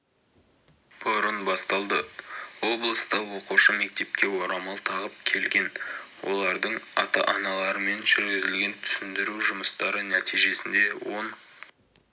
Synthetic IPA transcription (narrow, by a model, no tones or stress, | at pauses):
b̥ʊɾənbɑst̪ɑlˠd̪əwo̞blˠəst̪əqwo̞quʃəme̞k̚t̪e̞p̚kʲe̞wo̞ɾɑmɑlˠt̪ʰɑʁəp̚kʲʰe̞lɡʲe̞nwo̞̰lˠɑɾd̪əɴɑ̰t̪ɑ̰ʔɑnɑlˠɑɾəme̞nʒʏɾɡʲɪzɪlɡʲe̞nt̪ʰʏ̥sɪnd̪ɪɾuʒʊməst̪ɑɾənæt̪ijʒe̞sɪnd̪e̞wo̞n